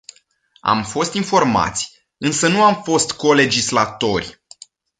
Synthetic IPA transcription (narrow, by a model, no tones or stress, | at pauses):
a̰mfo̞st̪info̞rma̰t̪sʲ | ɨnsənuamfo̞st̪ko̞le̞d͡ʒislat̪o̞rʲ